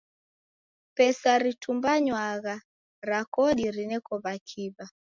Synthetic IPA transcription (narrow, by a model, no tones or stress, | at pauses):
pɛsaɾitumbaɲwaɣa | ɾakɔɗiɾinɛkɔβakʰiβa